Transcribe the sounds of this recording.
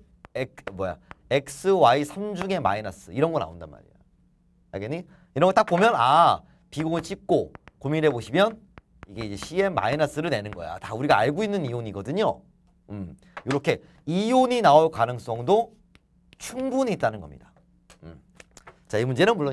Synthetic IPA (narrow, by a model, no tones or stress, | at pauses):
ekmwʌja̰e̞k̚s͈ɯwaisʰamd͡ʑuŋe̞ma̰inas͈ɯiɾʌnɡʌna̰onda̰nma̰ɾḭjo | a̰ɡeɲi | iɾʌŋɡʌt͈ak̚p͈omjʌna̰ | piɡot͡ɕ͈ik̚k͈okomiɾɦeboɕʰimjʌn | iɡe̞id͡ʑe̞ɕʰie̞mːa̰inas͈ɯɾɯɭne̞nɯnɡʌja̰tauɾiɡaaɭɡoinːɯnijoɲiɡʌdɯɲo | ɯm | joɾʌkʰe̞ | ijoɲinaokanɯŋs͈ʌŋdo | t͡ɕʰuŋbuɲiːt͈̚anɯnɡʌmɲidḁ | ɯm | t͡ɕaimund͡ʑe̞nɯnmuɭːo